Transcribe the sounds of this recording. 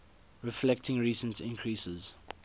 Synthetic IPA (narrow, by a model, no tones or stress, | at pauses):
ɹɪflɛktʰɪ̃ŋɹiːsə̃ntʰɪ̰̃ŋkʰɹisəz̥